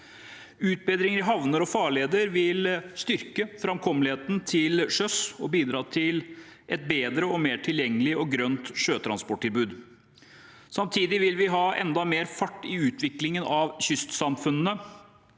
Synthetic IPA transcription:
ʉːt̪̚bɛːd̪ɾɪŋəɾɪɦɑʋnəɾɔfɑːɭeːd̪əɾʋɪlst̪ʏɾkəfɾɑmkʰɔməlheːt̪n̩t̪ʰɪlʂœsɔbiːd̪ɾɑːt̪ʰɪlʔɛt̪̚beːd̪ɾəɔmeːʈʰɪljɛŋːəlɪʔɔɡɾœnt̪ʂøːt̪ʰɾɑnspɔʈʰːɪlbʉːd̪ | sɑmt̪ʰiːd̪ɪʋɪlʋɪɦɑːʔɛ̰nd̪ɑmeːɾfɑʈːɪʉːt̪ʰʋɪklɪŋənɑʋɕʏst̪sɑmfʉnənə

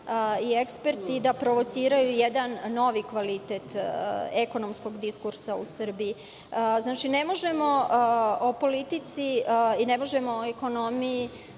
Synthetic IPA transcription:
ie̞kspe̞ɾt̪id̪apɾo̞ʋo̞t̪siːɾajujed̪anːo̞ʋikʋalit̪eːt̪eko̞nomsko̞ɡd̪iskuɾsausr̩bi | znaːt͡ʃine̞mo̞ʒemo̞opo̞lit̪it̪siine̞mo̞ʒemo̞oeko̞no̞miji

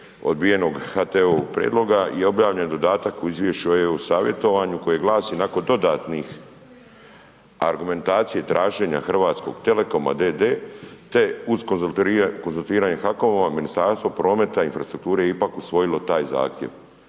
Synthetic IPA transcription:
o̰d̪̚bije̞no̞ɡxat̪eoːpɾʲjḛːd̪lo̞ɡajeo̞bjaːʋʎend̪o̞d̪aːt̪akuizʋʲjeʃiojeusaːʋje̞t̪o̞ʋaɲuko̞jeɡlˠaːsinako̞nd̪o̞d̪aːt̪nix | a̰ɾɡume̞nt̪aːt̪sije̞t̪ɾʔaːʒe̞ɲa̰xr̩ʋaːt̪sko̞̰ɡt̪e̞le̞ko̞ma̰d̪ed̪eːt̪e̞uzkokonzulˠt̪iːɾaɲexako̞ʋamaminist̪aɾst̪ʋopɾo̞ːme̞t̪ainfɾast̪ɾuk̚t̪uːɾejeipakusʋo̞jilo̞t̪aːjza̰ːxt̪jḛʋ

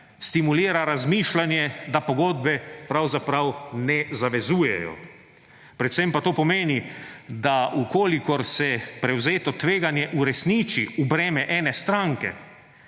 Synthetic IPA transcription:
st̪imuliːɾaɾazmiːʃlanjɛd̪apɔɡoːd̪bɛpɾawzapɾawnɛzaʋɛzuːjɛ̰jɔ̰ | pɾɛt̪sempat̪oːpɔmeːnid̪aukoːlikɔɾsɛpɾɛwzeːt̪ɔt̪ʋeːɡanjɛʔuɾɛsnit͡ʃiubɾɛːmɛʔɛːnɛst̪ɾaŋkɛ̰

